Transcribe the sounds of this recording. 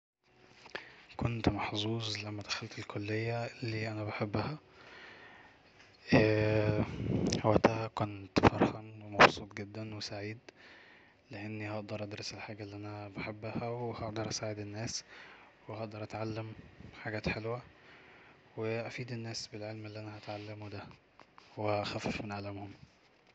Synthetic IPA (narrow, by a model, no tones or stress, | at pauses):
kont̪mɑħzˤuːzˤlæmːæd̪æxælt̪elkʰolːejːælːiːʔænæbaħebːæhæ | ʔæ | hæwæt̪æhækont̪fɑɾˤħɑnwemɑbsˤuːt̪ˤɡed̪ːænwesaʕiːd̪ | leʔenːihɑʔd̪ɑɾˤʔɑd̪ɾɑselħaːɡælːiːʔænæbaħebːæhæwehɑʔd̪ɑɾˤʔæsaːʕed̪enːæːs | wehɑʔd̪ɑɾˤʔæt̪ʕalːæmħaɡæːt̪ħelwæ | weʔæfiːd̪enːæːsbelʕelmelːiːʔænæhæt̪ʕalːæmud̪æ | wehæʔxæfːefmɪnʕalæmhʊm